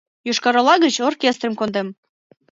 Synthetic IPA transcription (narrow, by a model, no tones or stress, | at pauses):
juʃkɑɾɑlɑɣət͡ɕorkʲest̪rəmkond̪em